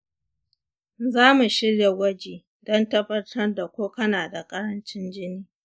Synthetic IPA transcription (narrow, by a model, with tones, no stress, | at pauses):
zaː˦mu˨ʃɪ˦ɽja˨wɐ˦d͡ʒiː˨ | dɔ˦ntɐ˦ɸɐ˦tʰɐ˦rda˨kʷoː˦kɐ˦naː˨da˨kʼɐ˦ɽɐ˦nt͡ʃɪ˦nd͡ʒɪ˦niː˦